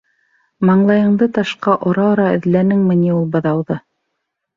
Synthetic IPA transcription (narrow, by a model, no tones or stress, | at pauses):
mɑɴlˠɑjɤ̆ɴd̪ɤt̪ɑʃqɑʔŏɾɑŏɾɑɘ̰̆ðlænɘŋmɘ̆niulˠbɤ̆ðɑwðɤ